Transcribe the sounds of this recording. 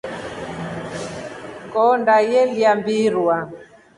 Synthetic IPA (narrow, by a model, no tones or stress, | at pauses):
kɔndajɛljambiɾwa